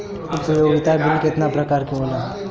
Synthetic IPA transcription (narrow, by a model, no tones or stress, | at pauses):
sujoːɡɪt̪abɪlkɪt̪napɾəkaːɾkiboːla